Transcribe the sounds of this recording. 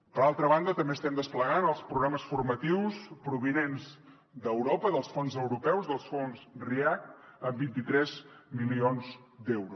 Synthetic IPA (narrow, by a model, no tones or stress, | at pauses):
pəɾalˠt̪ɾəβ̞and̪ət̪əmbeːst̪ɛmd̪əspləɣanəlˠspɾuɣɾaməsfurmət̪iwspɾuβ̞inenz | d̪əwɾopəðəlˠsfonzəwɾupɛwzðəlˠsfonsriak̚əmbint̪it̪ɾɛzmilionz | d̪ɛwɾu